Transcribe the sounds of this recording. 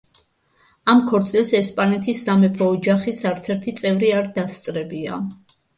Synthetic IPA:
amkʰɔɾt̪sʼilsɛspʼanɛt̪ʰisːamɛpʰɔːd͡ʒaχisaɾt̪sʰɛɾt̪ʰit̪sʼɛvɾiaɾd̪ast̪sʼɾɛbia̰

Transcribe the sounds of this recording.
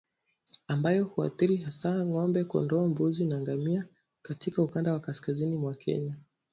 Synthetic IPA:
ambajɔhua̰θiɾihasaŋɔmbɛkɔ̰ndɔːmbuzinaŋɡamia | katikaukandawakaskazinimwakʰɛ̰ɲa

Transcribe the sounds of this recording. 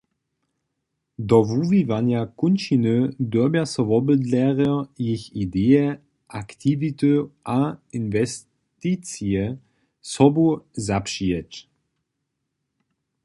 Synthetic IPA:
d̪ɔvuvivanjakunʃinɨd̪wɔbjasɔvɔbəd̪lɛʁɔjixid̪ɛjɛ | ʔakt̪ivit̪ɨʔainvɛs | t̪it͡sjɛ | sɔbuzapʂiɛt͡ɕ

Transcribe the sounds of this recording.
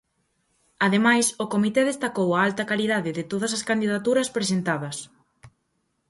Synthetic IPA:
aðemajsʊkomit̪eðest̪akowɐalt̪ɐkaliðaðɪðɪt̪oðɐs̬ɐskand̪iðat̪uɾɐspɾesent̪aðɐs

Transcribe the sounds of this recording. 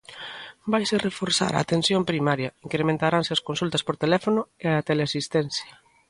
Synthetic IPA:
bajserefoɾsa̰ɾa̰ːt̪ensjompɾimaɾjɐiŋkɾemẽnt̪aɾanseaskonsult̪ɐspoɾt̪elɛfonʊeat̪eleasist̪ɛn̟θjɐ

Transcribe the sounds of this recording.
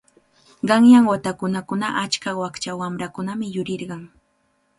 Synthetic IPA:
ɢɑŋjaŋwat̪akʊnakʊnaʔat͡ʃkawakt͡ʃawamɾakʊnamɪjʊɾɪɾɢɑŋ

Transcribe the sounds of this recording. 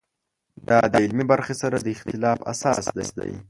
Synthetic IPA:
d̪ɑd̪əɪlmibaɾxesaɾad̪əɪxt̪ɪlɑfa̰sɑsd̪a̰sd̪a̰j

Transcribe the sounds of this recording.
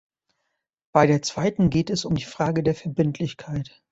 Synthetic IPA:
b̥aɪɾeːɐt͡sv̥aɪtn̩ɡeːtɛsʊmdiːfʁ̥aːɡədeːɐfɛɐbɪntʰlɪçkʰaɪt

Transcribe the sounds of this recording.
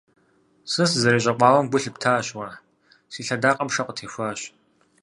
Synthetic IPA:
sɨszɐɾeːɕʼɐqʷɑːwɐmɡʷʊɬɨptʰaːɕwɐ | siːɬɐdaːqʼɐmʂɐqʷʼətʰeːxʷaːɕ

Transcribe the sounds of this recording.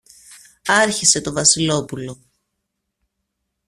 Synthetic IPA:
ɐɾçise̞t̪o̞vɐsilo̞pulo̞

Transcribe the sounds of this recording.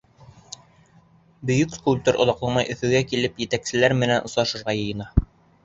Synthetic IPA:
bɵ̆jɵkskulʲp̚t̪oɾʔŏ̰ðɑqlˠɑmɑjʔɵ̆θɵ̆ɡækilɘpjɘ̆t̪æksɘ̆læɾmɘ̆nænʔŏsˠɑʃɤ̆ɾʁɑjɤ̆jɤ̆nɑ

